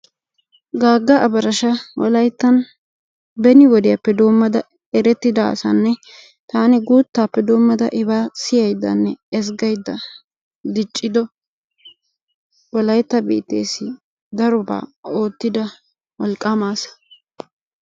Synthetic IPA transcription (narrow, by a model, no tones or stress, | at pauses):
ɡaːɡːɐʔɐbɐɾɐʃɐwɔ̰lɐjt̪ːɐn | bɛnɪwɔd̪ɪjɐpːɛd̪o̞ːmːɐd̪ɐ | ɛɾɛt̪ːɪd̪a̰sɐnːɛ | t̪aːnɛɡuːt̪ːaːpːɛd̪o̞ːmːɐd̪ɐʔɪbaːsɪjɐjd̪ɐ̰nːɛːs̬ɡɐjd̪ːɐ | d̪ɪt͡ʃʼːɪd̪ɔ | wɔlɐjt̪ːɐbḭːt̪ːḛːsɪ | d̪ɐɾʊba̰ːo̞ːt̪ːɪd̪ɐ | wɔlkʼamaːsɐ̥